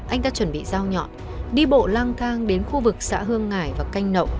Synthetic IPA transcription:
ʔa˧jŋ̟t̪aː˧t͡ɕwə˧˩nɓḭ˧˨zaː˧wɲɔ̰˧˨n | ɗi˧ɓo̰˧˨laː˧ŋt̪ʰaː˧ŋɗe˨˦nxu˧vɨ˨˩k̚sa̰ː˧˥ɦɨ˧əŋːaː˨˩jvaː˨˩ka˧jŋ̟nə̰˧˨w

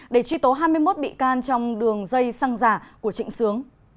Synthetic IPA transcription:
ɗe˧˩t͡ɕwi˧˦t̪o˨˦ɦaː˧jmɨ˧əjmo˦˥t̚ɓḭ˧˨kaː˧nt͡ɕɔ˧wŋ͡mɗɨ˨˩əŋzə˧jsaː˧ŋzaː˧˩ku˧˩ət͡ɕḭ˧˨ŋ̟sɨ˨˦əŋ

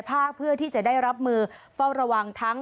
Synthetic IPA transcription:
pʰaː˥˩k̚pʰɯ˥˩ɐt̪ʰiː˥˩t͡ɕa˨˩daː˥˩jɾa˦˥p̚mɯː˧fa˥˩wɾa˧wa˧ŋt̪ʰa˦˥ŋ

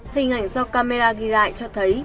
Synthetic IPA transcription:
hï˨˩ŋ̟ʔa˧˩jŋ̟sa˧wkaː˧me˧laː˧ɣi˧za̰ː˧˨jt͡ɕɔ˧t̪ʰə˨˦j

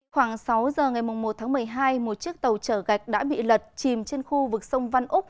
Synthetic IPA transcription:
xwaː˧˩ŋsa˨˦wzəː˨˩ŋa˨˩jmʊ˨˩ŋ͡mmo˨˩t̚t̪ʰaː˨˦ŋmɨ˨˩əjɦaː˧jmo˨˩t̚t͡ɕi˦˥ək̚t̪ə˨˩wt͡ɕəː˧˩ɣa˨˩jk̟̚ɗa̰ː˧˥ɓḭ˧˨lə˨˩t̚t͡ɕi˨˩mt͡ɕe˧nxu˧vɨ˨˩k̚sə˧wŋ͡mva˧nʔʊ˦˥k͡p̚

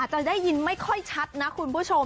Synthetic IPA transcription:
a˨˩t̪̚t͡ɕa˨˩da˥˩jːi˧nma˥˩jkʰɔ˥˩jt͡ɕʰa˦˥t̪̚na˦˥kʰu˧npʰu˥˩t͡ɕʰo˧m

